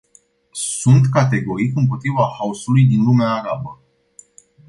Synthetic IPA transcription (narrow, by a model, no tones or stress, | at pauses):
sunt̪kat̪e̞ɡo̞ɾikɨmpo̞t̪ɾivahausulujd̪inlumeaːɾabə